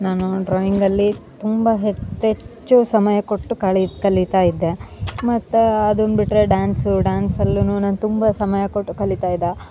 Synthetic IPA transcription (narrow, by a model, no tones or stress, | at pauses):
naːnuɖɾɔːiŋɡɐlːit̪umbɐɦet͡ʃːet͡ʃt͡ʃːusɐmɐjɐkoʈːukɐɭikɐlːit̪aːjid̪ːemɐt̪ːuɐd̪ond̪biʈɾeɖaːnsuɖaːnsɐlːunuːnaːnut̪umbɐsɐmɐjɐkoʈːukɐlːit̪aːjid̪a